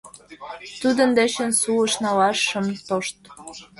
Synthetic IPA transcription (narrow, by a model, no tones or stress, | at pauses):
t̪ud̪ə̆nd̪et͡ɕə̆nsuə̆ʃnɑlɑʃə̆mt̪oʃt̪